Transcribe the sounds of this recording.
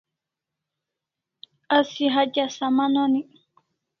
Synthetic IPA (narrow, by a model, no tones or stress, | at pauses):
asiɦad͡ʒasamanɔni